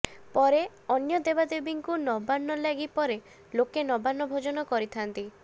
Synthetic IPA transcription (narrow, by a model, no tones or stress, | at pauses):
pɔɾe | ɔnjɔd̪ebad̪ebiŋkunɔbanːɔlaɡipɔɾe | lokenɔbanːɔbʱod͡ʒɔnɔkɔɾit̪ʰant̪i